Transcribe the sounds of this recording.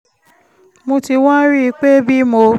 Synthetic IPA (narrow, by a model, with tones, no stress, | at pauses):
mõ˧ti˧wɔ̃˦ɾi˦i˧k͡pe˦bi˦mo˧